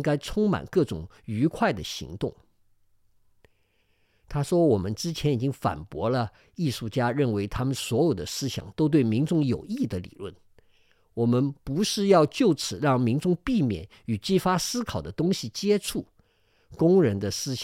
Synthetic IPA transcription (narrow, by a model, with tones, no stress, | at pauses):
ŋka˥ɪt͡sʰʊ˥ŋma̰˨˩nkɤ˥˩ʈ͡ʂʊ̰˨˩ŋ | y˧˥kʰwa˥˩ɪd̪ə˩ɕḭ˧˥ŋt̪ʊ˥˩ŋ | t̪ʰa˥ʂwɔ˥wɔ˨˩mə˦nʈ͡ʂɻ̩˥t͡ɕʰjɛ˧˥ni˨˩t͡ɕi˥ŋfa̰˨˩npwɔ˧˥lə˧ | i˥˧ʂu˥˩t͡ɕja˥ɻə˥˩nwe˧˥ɪt̪ʰa˥mə˨nswɔ˧˥jo˨˩ʊd̪ə˦sɹ̩˥ɕjɑ̰˨˩ŋt̪o˥ʊt̪̬we˥˩ɪmi˧˥nʈ͡ʂʊ˥˩ŋjo˨˩ʊi˥˩d̪ə˩lḭ˨˩lwə̰˥˩n | wɔ˨˩mə˦npu˧˥ʂɻ̩˥˧jɑ˥˧ʊt͡ɕjo˥˩ʊt͡sʰɹ̩˨˩˦ɻɑ˥˩ŋmi˧˥nʈ͡ʂʊ˥˧ŋpi˥˩mjɛ̰˨˩n | y˨˩t͡ɕi˥˩fa˥sɹ̩˥kʰɑ˨˩ʊd̪ə˦t̪ʊ˥ŋɕi˨˩t͡ɕjɛ˥ʈ͡ʂʰu˥˩ | kʊ˥ŋɻə˧˥nd̪ə˧sɹ̩˥ɕ